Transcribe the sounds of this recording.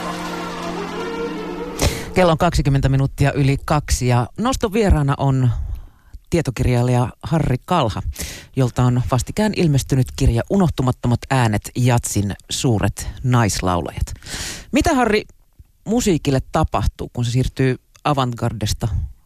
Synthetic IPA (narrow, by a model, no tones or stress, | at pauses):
kelːoŋkɑksikymːent̪æminut̪ːiɑʔylikɑksijɑnost̪oʋie̞ɾɑːnɑ̰ʔo̞n | t̪iet̪okirjɑːlːejɑhɑrːikɑlhɑjo̞lt̪ɑonʋɑst̪ikæːnʔilmest̪ynyt̪kirjɑʔuno̞ht̪umɑt̪ːomɑt̪æːnet̪jɑt̪sinsuːɾʔḛt̪nɑjslɑ̰wlɑ̰jɑt̪mit̪æhɑrːi | musiːkilːet̪ːɑpɑht̪uːkuns̬esiːrt̪yː | ɑʋɑŋɡɑrdest̪ɑ